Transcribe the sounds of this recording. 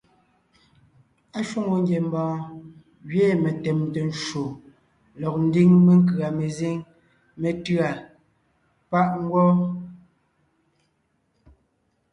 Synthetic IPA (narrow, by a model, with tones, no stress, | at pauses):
a˦ʃwo˦ŋo˨ŋ˦ɡjɛ˨m̩˦bɔ̃ː˨˦ | ɣɥe˦˨me˨tɛ˨mte˨n˦ʃo˨ | lɔ˨k̚n̩˦di˦ŋme˦ŋ̩˦kɰa˨me˨ze˦ŋ | me˨tɰa˨ | pa˦ʔŋ˦ɡwɔ˦